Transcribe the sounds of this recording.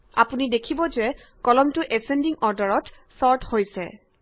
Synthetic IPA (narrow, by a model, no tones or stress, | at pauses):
a̰punidekʰibɔzɛ | kɔlɔmtʊʔɛsendiŋɔɹdɔɹɔt | sɔɹthojsɛ̰